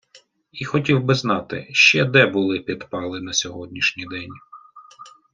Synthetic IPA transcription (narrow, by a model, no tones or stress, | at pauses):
ixɔtʲiwbɪznɑt̪ɪ̰ʃt͡ʃɛd̪ɛbʊlˠɪpʲid̪pɑlˠɪnɐsʲɔɦɔdʲnʲiʃnʲid̪ɛnʲ